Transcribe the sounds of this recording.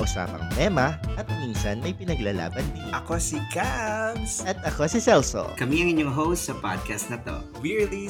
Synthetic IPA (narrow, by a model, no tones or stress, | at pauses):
ʔʊsa̰ːpɐ̰ŋɐmɛmɐʔɐt̪̚minsɐnmɐjpɪnɐɡlɐla̰ːbɐnd̪iʔɐkosikabsɐt̪̚ʔɐkosisɛlso̰kɐmiɐŋʔɪɲoŋɦowst̪sɐpa̰d̪̚kɐst̪̚nɐt̪o̰ | wiɹli